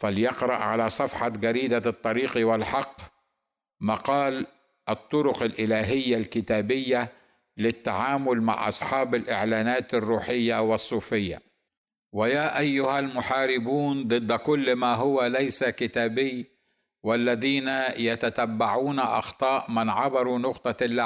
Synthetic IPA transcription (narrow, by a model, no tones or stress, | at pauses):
faljɪqɾˤɑ̰ʔʕalasˤɑfħɑɡaɾiːd̪at̪ˤːɑɾiːqwɪlħɑqː | mɑqɑːl | ʔɑt̪ˤːʊɾʊqalʔɪlaːɦɪjːalkɪt̪aːbɪjːa | lɪt̪ːaʕaːmʊlma̰ʕʔɑ̰sˤħɑːbalʔɪʕlaːnaːt̪ɪrːuːħɪjːawɪsˤːuːfɪjːa̰ | wɪjaːʔajːʊhalmʊħaːɾɪbuːnd̪ˤɨd̪ːkʊlːmaɦʊwalajsakɪt̪aːbɪj | walːaðiːnajat̪at̪abːaʕuːnaʔɑ̰xt̪ˤɑːʔmanʕɑbɑɾˤunʊqt̪ˤɑlː